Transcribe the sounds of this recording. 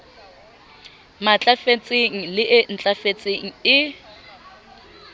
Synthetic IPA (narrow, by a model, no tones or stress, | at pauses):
mat͡ɬʼafet͡sʼeŋ̩lɪʔɪn̩t͡ɬʼafet͡sʼeŋ̩ɪ